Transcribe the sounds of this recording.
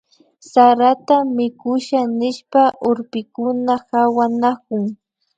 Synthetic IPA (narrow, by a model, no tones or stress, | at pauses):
saɾat̪amɪkʊʃanɪʃpaʔoɾpɪkʊnahawanak̚ʊŋ